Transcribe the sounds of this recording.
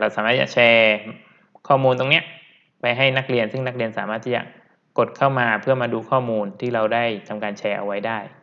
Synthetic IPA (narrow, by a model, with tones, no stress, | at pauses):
ɾa˧wsaː˨˦aː˥˩t͡ɕa̰˨˩t͡ɕʰɛː˧ | kʰɔː˥˩muː˧nt̪o˧ŋni˦˥ɐʔ | pa˧jɦa˥˩jna˦˥k̚ɾi˧ənsɯ˥˩ŋna˦˥k̚ɾi˧ənsa̰ː˩˦maː˥˩t̪ʰːiː˥˩t͡ɕa̰˨˩ | ko˨˩t̪̚kʰa˥˩wmaː˧pʰɯ˥˩əmaː˧duː˧kʰɔː˥˩muː˧nt̪ʰiː˥˩ɾa˧wdaː˥˩jt̪ʰa˧mkaː˧nt͡ɕʰɛː˧ʔa̰˧wa˦˥jdaː˥˩j